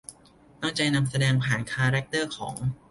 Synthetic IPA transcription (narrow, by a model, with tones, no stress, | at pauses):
t̪ɔ˥˩ŋt͡ɕa˧jna˧msa˧dɛː˧ŋpʰaː˨˩nkʰaː˧ɾɛ˦˥k̚t̪ɤː˥˩kʰɔː˩˦ŋ